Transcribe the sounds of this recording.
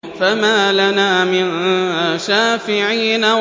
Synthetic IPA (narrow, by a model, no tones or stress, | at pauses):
famaːlanaːmɪnʃaːfɪʕiːna